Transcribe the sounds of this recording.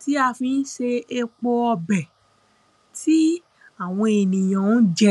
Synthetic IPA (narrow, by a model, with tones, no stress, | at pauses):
ti˦a˧fĩ˧˦n̩˦ʃe˧e˧k͡po˧ɔ˧bɛ˨ | ti˦ | a˦˨w̃ɔ̃˧e˨nĩ˨j̃ã˨˦d͡ʒɛ˦